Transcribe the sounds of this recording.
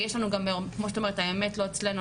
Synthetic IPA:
jeʃlanuɡamekmoet̪aomeet̪aemet̪lo̞et͡slenu

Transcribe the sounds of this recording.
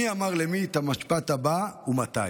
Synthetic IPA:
iamaʁlemit̪amaʃpat̪abaumat̪a̰

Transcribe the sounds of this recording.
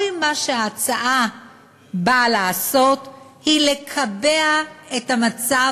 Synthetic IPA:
imːaʃeaːt͡saʔa | balaːso̞thile̞kʰabeaetamat͡sa

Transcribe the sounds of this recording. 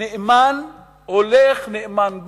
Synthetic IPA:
eʔman | holeχneʔemanɡ

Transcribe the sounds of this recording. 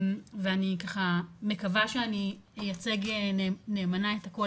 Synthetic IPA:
veanikaχame̞kavaʃeanijat͡seɡenene̞ːmanaetako

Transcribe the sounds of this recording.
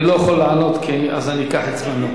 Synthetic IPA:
lojaχolːeʕano̞t̪kʰiiazanikaħet͡slenu

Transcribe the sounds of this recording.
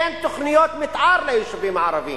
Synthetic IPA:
eːnt̪ːʊxnɪjoːt̪mɪt̪ʕɑːɾˤlaiːʃʊbiːmaʕɾˤɑvḭː

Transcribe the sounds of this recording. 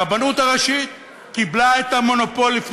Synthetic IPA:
banut̪aʁaʃit̪̚ | kiblaet̪amo̞no̞po̞lːifn

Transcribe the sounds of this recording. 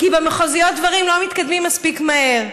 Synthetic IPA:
kibemeχozijot̪̚d̪vɐʁimlomit̪kad̪mimːaspikmaeʁ

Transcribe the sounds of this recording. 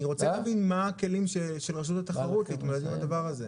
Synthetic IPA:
niʁo̞t͡selaːvinmake̞limʃeʃe̞lʁaʃ̬ut̪at̪aχaʁut̪leit̪moled̪imad̪avaʁaze̞

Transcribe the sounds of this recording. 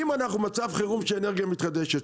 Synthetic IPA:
imanaχnumat͡savχeʁumʃeːneʁɡijamit̪χad̪eʃet̪

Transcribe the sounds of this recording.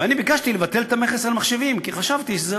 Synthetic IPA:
anibikaʃt̪ilevat̪e̞let̪ameχesalmaχʃe̞vimkiχaʃavt̪iʃeze

